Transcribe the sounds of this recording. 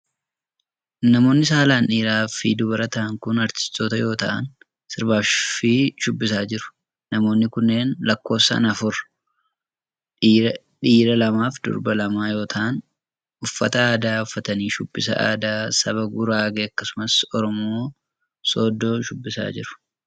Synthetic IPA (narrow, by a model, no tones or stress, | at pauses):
nɐmo̞ːnːɪsaːlaːnᶑiːɾaːfid̪ʊbɐɾɐt̪ɐʔɐŋkʊnɐɾtɪ̥st̪ːoːt̪ɐjo̞ːt̪ɐ̰ʔɐ̰n | sɪɾbaːʃfiːʃʊbːɪs̬aːd͡ʒɪɾʊ̥ | nɐmo̞ːnːɪkʊnːe̞ːnlɐkːo̞ːsɐ̰nɐfʊɾ | ᶑiːɾɐlɐmaːfd̪̥ʊ̰ɾbɐlɐmaːjo̞ːt̪ʰɐʔn | ʊfːɐt̪ɐaːd̪aːʊfːɐt̪ɐniːʃʊbːɪsɐ̰ʔa̰ːd̪aːsɐβɐɡʊɾaːɡeːɐkːɐsʊmɐsɔɾɔmo̞ː | soːd̪ːo̞ːʃʊbːɪsa̰ːd͡ʒɪɾʊ̥